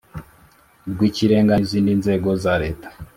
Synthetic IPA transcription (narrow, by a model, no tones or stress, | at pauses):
dɡwiciɾeːŋɡaiziːndinze̞ɡo̞zaɾe̞ːtḁ